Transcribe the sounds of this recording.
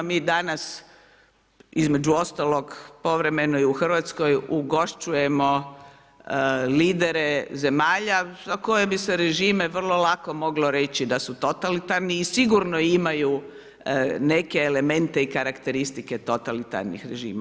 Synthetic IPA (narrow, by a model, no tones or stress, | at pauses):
miːd̪anas | izme̞d͡ʒuo̞st̪alˠo̞ɡpo̞ʋɾe̞me̞noiuxr̩ʋat̪sko̞juɡo̞ʃt͡ʃuje̞mo̞ | liːd̪e̞ɾe̞ze̞maːʎazako̞jebise̞ɾe̞ʒiːme̞ʋr̩lˠo̞lˠako̞mo̞ɡlo̞ɾe̞t͡ɕid̪asut̪o̞t̪alit̪aɾniːsiɡuɾnoimaju | ne̞ke̞ːle̞me̞nt̪eikaɾakt̪e̞ɾist̪ike̞t̪o̞t̪alit̪a̰ɾnḭxɾeʒḭːma